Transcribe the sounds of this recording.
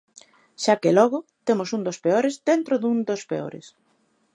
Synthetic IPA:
ʃakelɔɣʊt̪emosund̪ospeoɾezd̪ent̪ɾoðund̪ospḛo̰ɾḛs

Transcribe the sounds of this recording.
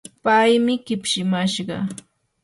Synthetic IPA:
pajmɪɢɪpʃɪmaʃɢɑ̰

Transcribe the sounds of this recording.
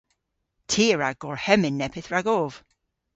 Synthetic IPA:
tʰiːɹaɡɔɹhɛmɪnːɛpʰɪθɹaɡov̥

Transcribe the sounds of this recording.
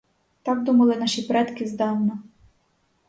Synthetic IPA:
t̪ɑkd̪umɐlˠɪnɑʃipɾɛt̪kɪzd̪ɑwnɐ

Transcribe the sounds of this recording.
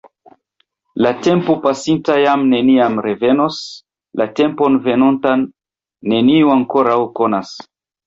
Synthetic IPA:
late̞mpupasintajamne̞niamɾevenos | late̞mpo̞nve̞nontanː | e̞niuaŋkoɾawko̞nas

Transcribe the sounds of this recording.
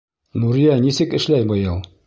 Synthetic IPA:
nuɾijænisɘkɘ̆ʃlæjbɤjɤlˠ

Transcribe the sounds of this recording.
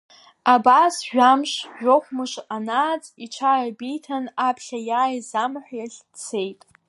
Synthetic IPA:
abasʒᶣamʃʒʷᶣoχʷmɨʃanat͡sʼiʈ͡ʂʷʰarabijtʰanapʰɬʲajaːjzamħʷjaɬʲ | t͡sʰe̞jtʼ

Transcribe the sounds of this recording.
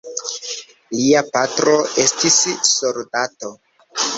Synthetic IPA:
liapatɾo̞e̞stisːo̞ɾdato

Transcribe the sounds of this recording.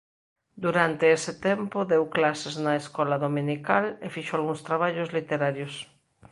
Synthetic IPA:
d̪uɾant̪eesɪt̪ɛmpʊðewklaseznɐeskɔlɐðomĩnikalefiʃoalɣuŋst̪ɾaβ̞aʎozlit̪eɾaɾjos

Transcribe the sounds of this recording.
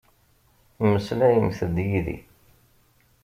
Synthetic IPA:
mːəslæjəmθəd̪jiðḭ

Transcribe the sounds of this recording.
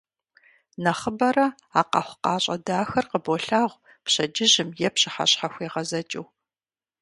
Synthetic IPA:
nɐχəbɐɾɐ | aːqɑ̰χʷʊqɑːɕʼɐdaːxɐrqəbɔɬaːʁʷ | pɕɐd͡ʒɪʑɪmjɛpɕɪħa̰ɕħaxʷeːʁɐzɐt͡ʃʼɪw

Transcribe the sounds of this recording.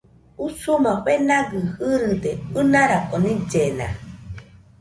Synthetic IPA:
usumaβenaɡɨhɨɾɨd̪eɨnaɾakonĩd͡ʒena̰

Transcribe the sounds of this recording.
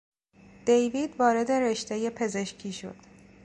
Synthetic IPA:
d̪̥ejviːd̪vɒːɾe̞d̪e̞ɾeʃt̪eje̞pʰe̞ze̞ʃcʰiːʃo̞̰d̪̥

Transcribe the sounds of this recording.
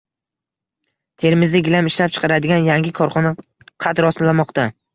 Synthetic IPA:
t̪ʰe̞ɾɪmɪzd̪aɡʲɪlamɪʃlap̚t͡ʃʰɨ̥qʰɑɾad̪ɪɡʲanjaŋɡʲɪkʰɒɾχɒna | qʰɑt̪ɾɒsmlamɒqt̪a

